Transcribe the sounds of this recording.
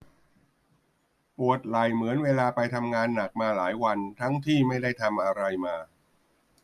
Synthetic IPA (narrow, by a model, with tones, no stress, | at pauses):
pu˨˩ət̪̚la˨˩jmɯ˩˦ənweː˧laː˧pa˧jt̪ʰa˧mŋaː˧nːa˨˩k̚maː˧laː˩˦jwa˧nt̪ʰa˦˥ŋt̪ʰiː˥˩ma˥˩jda˥˩jt̪ʰa˧mʔa˧ɾa˧jmaː˧